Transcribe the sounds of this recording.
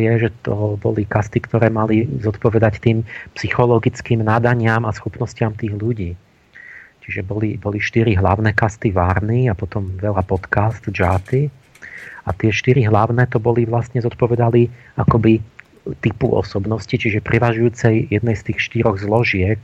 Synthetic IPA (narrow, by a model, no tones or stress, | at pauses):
jɛʒɛt̪ɔbɔ̰likast̪ikt̪ɔɾɛːmalizɔt̪pɔʋɛd̪act̪iːmpsixɔlɔɡit͡skiːmnad̪aɲɪamasxupnɔscɪamt̪iːɣʎuɟiː | t͡ʃiʒɛbɔlibɔliʃt̪iɾiɦlaʊnɛkast̪iʋaːɾniapɔt̪ɔmʋɛʎapɔt̪kast̪d͡ʒat̪i | at̪ɪɛʃt̪iɾiɦlaʊnɛːt̪ɔbɔliʋlasɲɛzɔt̪pɔʋɛd̪ali | akɔbi | t̪ipṵʔɔ̰sɔbnɔscit͡ʃiʒɛpɾʔɛʋaʒujuːt͡sɛjjɛd̪nɛjst̪iːxʃt̪iɾɔɣzlɔʒɪɛk